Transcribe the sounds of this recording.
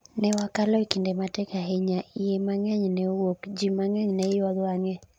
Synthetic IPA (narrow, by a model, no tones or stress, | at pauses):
nɛwakalɔikindematɛkaɦɛɲaijemaŋɛɲnɛwokd͡ʒimaŋɛɲnɛɪwɔðaŋɛ